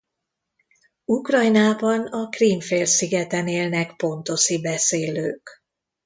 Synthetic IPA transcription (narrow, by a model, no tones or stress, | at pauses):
ukrɒjnaːbɒnɒkriːmfeːlsiɡɛt̪ɛneːlnɛkpo̞nt̪o̞ʃibɛseːløːk